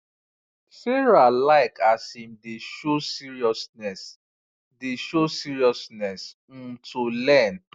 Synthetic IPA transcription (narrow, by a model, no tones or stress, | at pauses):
seɹalaɪkʰasimdeʃosiɹiɔsnɛs | deʃosiɹiɔsnɛs̩ | tʰulɛn